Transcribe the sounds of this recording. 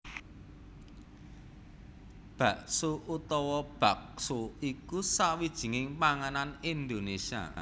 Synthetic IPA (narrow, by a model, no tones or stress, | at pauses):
b̥ä̤ʔsoʔut̪ɔwɔb̥ä̤k̚soikusawid̥ʒ̥i̤ŋɪŋpaŋananind̪onesia̰